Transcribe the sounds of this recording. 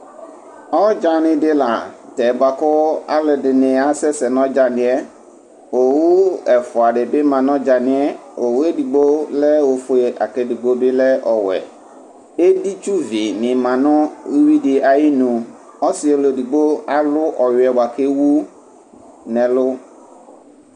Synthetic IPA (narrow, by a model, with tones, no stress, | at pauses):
ɔ˦d͡ʒa˨nɪ̃˨dɪ˦la˨tɛ˨ba˨kɔ˦a̰˦lɔ˨dɪ˨nɪ̃˨a˨sɛ˦sɛ˨nɔ̃˦d͡ʒa˨nɪ̃˨ɛ˦ | o˨wu˦ɛ˨fʊ˨a˨ɖe˨be˦mã˨nɔ̃˦d͡ʒa˨nɪ̃˦ɛ˦o˨we˦di˨ɡ͡bo˦lɛ˦wo˨fo˦˨a̰˨ke˨di˨ɡ͡bo˦be˦lɛ˦ʔɔ˨wɛ̰˨ | e˦di˦t͡ʃu˦vi˨nɪ̃˨mã˨nɔ̃˦wi˦dɪ˨a˨ji˦nũ˨ | ɔ˦sɪ˨˦e˨lo˨di˨ɡ͡bo˦a˦lʊ˦ʔɔ˨jʊ˨ɛ˨ba˨ke˦wu˦ | nɛ̃˨lʊ˦